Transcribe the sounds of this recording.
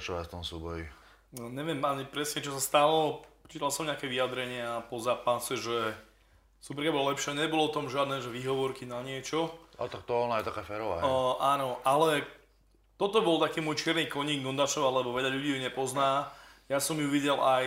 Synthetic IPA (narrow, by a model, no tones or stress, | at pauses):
t͡ʃɔʋa̰ft̪ɔmsuːbɔji | ɲɛʋɪɛmaɲipɾɛsɲɛt͡ʃɔsast̪alɔt͡ʃiːt̪alsɔmɲɛakɛʋiad̪ɾɛɲɪapɔzaːpasɛʒɛ | supɛɾkabɔlalɛpʃɪaɲɛbɔlɔɔt̪ɔmʒɪad̪nɛːʒɛʋiːɦɔʋɔɾkinaɲɪɛt͡ʃɔa̰t̪ak̚t̪ɔɔnajɛt̪akaːfɛːɾɔʋa̰ːʔaːnɔʔalɛ | t̪ɔt̪ɔbɔlt̪akiːmwɔjt͡ʃɪɛɾniːkɔɲiːɡ̚ɡɔnd̪aʃɔʋalɛbɔʋɛʎaʎuɟiːjuɲɛpɔznaːjasɔmjuʋiɟɛlʔaj